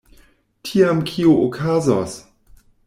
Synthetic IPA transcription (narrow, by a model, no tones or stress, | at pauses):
tʰiamkʰioʔokʰazas